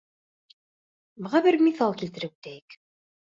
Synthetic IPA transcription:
bɤ̆ʁɑbɘɾmiθɑlˠkilt̪ɘ̆ɾɘu̥t̪æjɘk

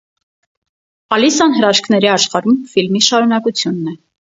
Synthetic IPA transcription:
ɑlisɑnɦəɾɑʃkʰnɛɾiɑʃχɑɾumfilmiʃɑɾunɑkut͡sʰjunːɛ

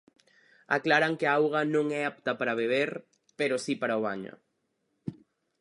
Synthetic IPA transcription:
a̰klaɾaŋkeaawɣɐnõŋɛap̚t̪ɐpaɾaβeβ̞eɾ | peɾosipaɾaoβ̞a̰ɲo̰

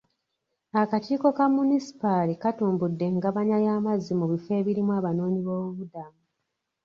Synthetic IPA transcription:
akatiːko̞kamunisi̥palikatuːmbudːe̞ŋɡaβaɲajaːmazːimuβife̞ːβiɾimwaːβano̞ːɲiβo̞ːβuβudamu

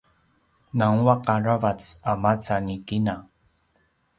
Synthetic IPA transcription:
naŋwaqaɾavat͡samat͡sanikina

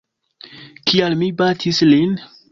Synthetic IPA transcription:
kialmibatʰislin

